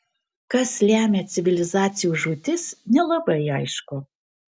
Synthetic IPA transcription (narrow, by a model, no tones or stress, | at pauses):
kɐslʲæːmʲeːt͡s̪ʲɪvʲɪlʲɪzɑːt̪sʲɪjuːʒut̪ʲɪsnʲɛlˠɐbɐɪɐɪʃkʊ